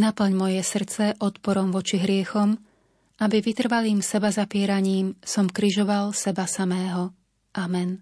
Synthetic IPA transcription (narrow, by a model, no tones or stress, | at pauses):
napl̩ɲmɔjɛsr̩t͡sɛʔɔt̪pɔɾɔmʋɔt͡ʃiɦɾɪɛxɔm | ʔabiʋit̪r̩ʋaliːmsɛbazapɪɛɾaɲiːmsɔmkɾiʒɔʋalsɛbasamɛːɦɔ | ʔamɛn